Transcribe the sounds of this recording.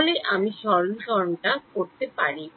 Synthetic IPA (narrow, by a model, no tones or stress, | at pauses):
leʔamiʃɔɾonʃɔɾonʈakoɾt̪epaɾi